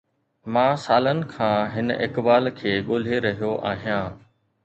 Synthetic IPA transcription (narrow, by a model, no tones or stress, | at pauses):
mãːsaːlənɪ̆kʰãːɦɪnʔɪkbaːlkʰeːɠoːl̤eɾɐɦijoʔaːɦijãː